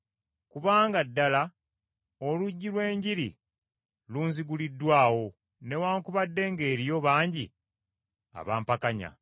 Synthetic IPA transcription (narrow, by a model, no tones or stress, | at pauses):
kuβaːŋɡadːala | oluɟːilwe̞ːɲɟiɾḭ | luːnziɡulidːwaːwo̞ | ne̞waːŋkuβadːe̞ːŋɡe̞ːɾijo̞βaːɲɟḭ | a̰βa̰ːmpakaɲa̰